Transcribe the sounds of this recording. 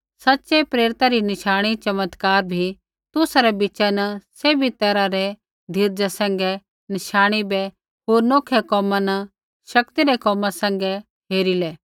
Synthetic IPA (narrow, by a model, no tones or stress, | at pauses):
sɐtːʃɛpɾeːɾɪt̪aɾinɪʃaːɽ̃it͡ʃɐmət̪kaːɾbʱi | t̪ʊsɾɛbɪt͡ʃanɐseːbʱit̪ɐɾaɾɛ | d̪ʱiɾd͡ʒasɛ̃ŋɡɛ | nɪʃaːɽ̃ibɛ | ɦoːɾnoːkʰɛkɔːmãnɐ | ʃɐkt̪iɾɛkɔːmãsɛ̃ŋɡɛ | ɦeːɾilɛː